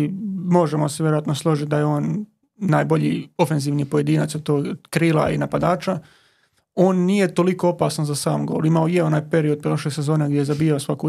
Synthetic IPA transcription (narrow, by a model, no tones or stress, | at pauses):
mo̞ʒemo̞seʋjeɾoat̪no̞slˠo̞ʒit̪̚d̪ajeo̞ːnː | aːjbo̞ʎiːofe̞nziːʋniːpoje̞d̪iːnat̪st̪oːɡkɾiːlˠa̰ḭnapad̪aːt͡ʃa | o̞ːnːiːje̞t̪o̞liko̞o̞pasnozasaːmɡo̰ːɾimaojeo̞naːjpe̞ɾiopɾoʃlese̞zo̞ːne̞ɡdʲjejzabiːjaosʋako